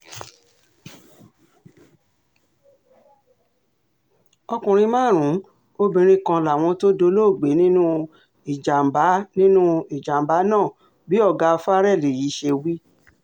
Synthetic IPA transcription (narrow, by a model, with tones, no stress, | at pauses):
ɔ˧kũ˨ɾ̃ĩ˧mãː˦˨ɾ̃ũ˨˦ | o˦bĩ˧ɾ̃ĩ˧kã˧la˨w̃ɔ̃˧to˦do˧lo˦˨ɡ͡be˨˦nĩ˦nũ˦ | i˨d͡ʒa˨m̩˨ba˨˦nĩ˦nũ˦i˨d͡ʒa˨m̩˨ba˨˦nãː˦˨ | bi˨˦ɔ˦˨ɡa˧fa˦ɾɛ˦˨le˨ji˨˦ʃe˧wi˦